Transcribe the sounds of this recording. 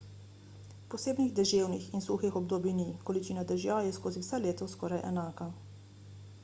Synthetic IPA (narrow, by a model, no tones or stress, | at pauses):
pɔseːbniɣd̪ɛʒeːwnixinsuxixɔb̚d̪oːbinikɔlit͡ʃiːnad̪ɛʒjajɛskoːziwsaleːt̪ɔskɔːɾajʔɛ̰naːka